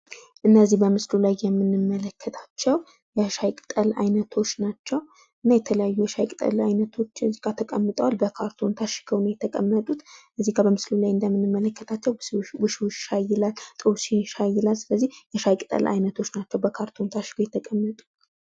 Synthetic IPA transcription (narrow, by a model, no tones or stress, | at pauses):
ʔɨnːəzːihbəmɨslulajːɛmːɨnɨmːələkːət̪ʰḁt͡ʃːɛw | jɛʃajkʼɨt̪ʼəla̰jnət̪ʰo̞t͡ʃːnat͡ʃːɛw | ʔɨnːajɛt̪ʰələjajːujɛʃajkʼɨt̪ʼə̰lajnət̪ʰo̞t͡ʃːɨziɡat̪ʰəkʼəmːɨt̪ʼəwalbəkʰaɾt̪ʰo̞nt̪ʰaʃɡʰəwnəwjɛt̪ʰəkʼəmːət̪ʼut̪ʔɨzːiɡabəmɨslulajɨnd̪əmːɨnɨmːələkːət̪ʰat͡ʃːɛwwɨʃwot͡ʃːʃajɪlalt̪ʼɨwsinʃajːɪlalsɨləzːihjɛʃajkʼɨt̪ʼə̰lʔa̰jnət̪ʰo̞t͡ʃːnat͡ʃːɛwbəkʰaɾt̪ʰo̞nt̪ʰaʃɪ̥ɡʰəwjɛt̪ʰəkʼəmːət̪ʼu̥